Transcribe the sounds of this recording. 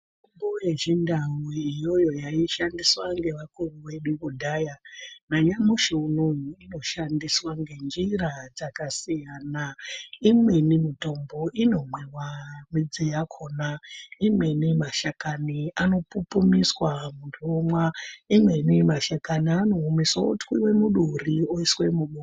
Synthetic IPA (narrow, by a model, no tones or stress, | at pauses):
tumbojeʒindawiijo̞jo̞jaiʃandiswaŋɡe̞ʋakuruʋe̞ɗukudʱaːjanaɲamuʃeunonuino̞ʃandiswaŋɡe̞nd͡ʒirad͡zakasijanaimwe̞nimito̞mbo̞ʔino̞mwewamid͡zijakʰoːnaimwe̞nimaʃakaniano̞pupumiswamundomwaimwe̞nimaʃakaniano̞ɦumiswao̰twiwemuɗurioiswemuɓu